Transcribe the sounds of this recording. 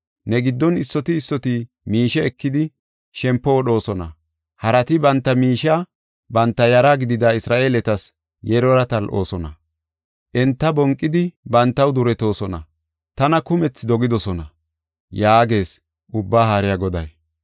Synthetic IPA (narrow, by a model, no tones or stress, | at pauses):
nɛɡɪd̪ːɔnɪsːɔt̪ɪːsːɔt̪ɪ | miːʃɛːkːɪd̪ɪ | ʃɛmpːɔwɔɗo̞ːsɔnɐ̰ | hɐɾɐt̪ɪbɐnt̪ːɐmiːʃa | bɐnt̪ːɐjɐɾaɡɪd̪ɪd̪aɪsɾaːʔeːlɛt̪ɐs | jɛɾɔɾɐt̪ɐlʔo̞̰ːsɔnɐ̰ | ʔɛnt̪ːɐbɔŋkʼːɪd̪ɪbɐnt̪ːɐwd̪ʊɾɛt̪o̞ːsɔnɐ̰ | t̪ɐnɐkʊmɛt͡sːd̪ɔɡɪd̪ɔsɔnɐ̰ | jaːɡe̞ːs | ʔʊbːaːɦaːɾɪjɐɡɔd̪ɐj